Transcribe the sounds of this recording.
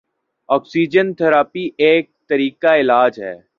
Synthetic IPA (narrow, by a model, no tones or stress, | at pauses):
ɔːksiːd͡ʒənt̪ʰəɾaːpiʔeːk̚t̪əɾiːkaɪlaːd͡ʒɦɛ̰ː